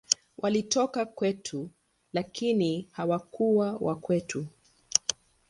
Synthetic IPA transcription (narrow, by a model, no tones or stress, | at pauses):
wʔalitɔkakwɛtʰu | lakinihawakuwawʔakwɛtʰu